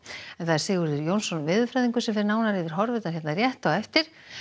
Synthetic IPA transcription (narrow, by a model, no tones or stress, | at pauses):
ɛθaðɛɾ̥seːɣʏɾɪɾjownsɔnvɪːðʏfɾajðiŋkʏsɛmfɛɾnaːwnaɾiðɪɾ̥ɦɔɾvɪt̪naɾçjɛt̪narjɛht̪awɛft̪ɪɾ̥